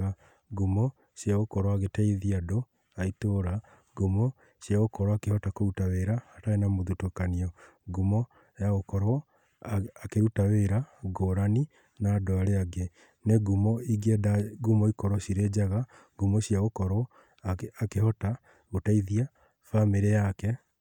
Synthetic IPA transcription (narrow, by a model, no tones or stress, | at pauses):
a | ɡumɔ | ɕjaɣokɔɾɔaɣetaiðiado | aitoːɾa | ɡomɔ | ɕjaɣokɔɾɔakehɔtakoutaweɾaːtaenamoðutokaniɔ | ɡumɔ | jaɣokɔɾɔ | akeɾutaweɾaɡoɾani | naːdoaɾeaɡe | neɡumɔiɡedaɡumɔikɔɾɔɕiɾed͡ʑaɣa | ɡumɔɕjaɣokɔɾɔː | kehɔta | ɣotaiðia | fameɾeakɛ